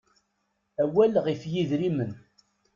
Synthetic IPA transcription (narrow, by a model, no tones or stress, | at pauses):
æwælʁifjiðɾimən